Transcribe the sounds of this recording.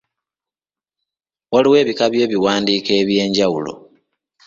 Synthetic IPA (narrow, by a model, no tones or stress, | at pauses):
waliwe̞ːβikaβje̞ːβiwaːndiːkeːβje̞ːɲɟawulo̞̰